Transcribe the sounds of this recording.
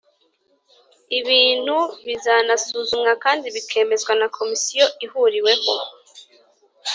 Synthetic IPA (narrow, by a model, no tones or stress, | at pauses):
iβiːn̥huβizanasuːzumŋakaːndiβikʰe̞ːme̞zɡwanakʰo̞misijo̞ihuɾiwe̞ho̞